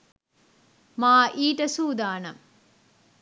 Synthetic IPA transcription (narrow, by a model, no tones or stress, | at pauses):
maːʔiːʈəsuːd̪aːnɐ